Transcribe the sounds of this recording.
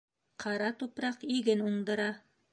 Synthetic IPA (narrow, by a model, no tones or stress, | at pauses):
qʰɑɾɑt̪upɾɑqiɡɘnuɴd̪ɤ̆ɾɑ